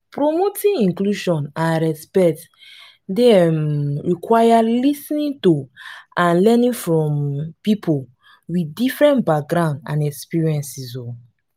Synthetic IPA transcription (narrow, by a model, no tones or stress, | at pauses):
pɹomotʰĩĩŋkluʃɔ̃nãnɹɛspɛt | demɹikʰwajalisnĩntuãnlɛnĩfɹɔ̃mpipʰol | widifɹɛ̃nbak̚ɡɾãʊ̃ndã̰nɛkspiɹiɛ̃nsiso